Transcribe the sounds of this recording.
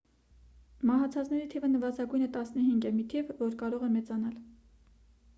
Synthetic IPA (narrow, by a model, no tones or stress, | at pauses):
mɑɦɑt͡sʰɑt͡snɛɾit̪ʰivənəvɑzɑɡujnət̪ɑsnəɦiŋɡɛmit̪ʰivvɔɾkɑɾɔʁɛmɛt͡sɑnɑl